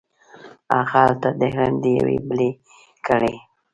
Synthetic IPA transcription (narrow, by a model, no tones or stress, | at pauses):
ɑxɑlt̪ad̪əɦand̪əja̰wḛbəle | kʰəɽe